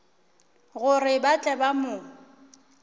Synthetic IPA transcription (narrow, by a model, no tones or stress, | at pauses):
ɣʊrɪbat͡ɬʼɛbamʊ